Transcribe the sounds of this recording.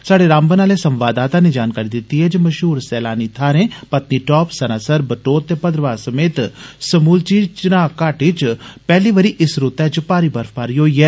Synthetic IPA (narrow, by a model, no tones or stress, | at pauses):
saːɽeɾãːmbənaːlesɐmʋaːd̪aːt̪ãned͡ʒaːnkaːɾid̪ɪt̪ːiɦɛːd͡ʒmɐʃɦuːɾsɛːlaːnit̪ʰaːɾẽːpɐt̪niʈɔːpsɐnaːsəɾbəʈoːt̪ːeːpɐd̪ɾəʋaːsɐmeːt̪səmuːlt͡ʃiːt͡ʃnãːkaːʈɪt͡ʃpɛːliːʋəɾiʔɪsɾʊt̪ɛːd͡ʒəpaːɾiːbəɾfpaːɾiɦoːiɛː